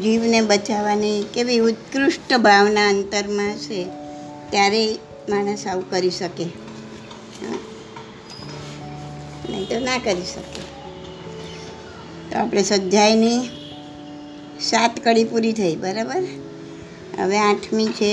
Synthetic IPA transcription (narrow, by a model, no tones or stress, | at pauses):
ɾiʋnebət͡ʃaʋanikeʋiʊt̪kɾʊʃʈəbʱaʋnaənt̪əɾmãəʃe | t̪jaɾe | maɳəsaukəɾiʃəke | ɦã̰ | nḛt̪onakəɾiʃəkḛ | t̪o̰apɽ̃esəd͡ʒajni | sat̪kəɽipuɾit̪ʰəibəɾabəɾ | ə̰ʋeãʈʰmit͡ʃʰe